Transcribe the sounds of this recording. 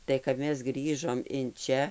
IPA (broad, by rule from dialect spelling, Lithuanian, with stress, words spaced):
tɐɪ kɐp ˈmʲɛs ˈɡrʲiːʒoːm ɪn ˈt͡ʃʲɛ